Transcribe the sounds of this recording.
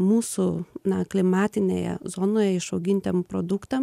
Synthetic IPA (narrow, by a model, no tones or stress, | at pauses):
muːsʊnɐklʲɪmɑːt̪ʲɪnʲḛːjɛ̰zoːnoːjɛɪʃɐʊɡʲɪnʲt̪ʲempɾoːd̪ʊkt̪ɐm